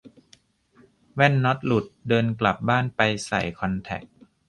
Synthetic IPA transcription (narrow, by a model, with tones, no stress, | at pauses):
wɛ˥˩nːɔ˦˥t̪̚lu˨˩t̪̚dɤː˧nkla˨˩p̚baː˥˩npa˧jsa̰˨˩jkʰɔ˧nt̪ʰɛ̰˨˩k̚